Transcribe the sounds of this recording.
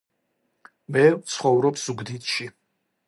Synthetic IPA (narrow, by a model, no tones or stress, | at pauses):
mɛvt̪sʰχɔvɾɔpszuɡd̪it̪ʃi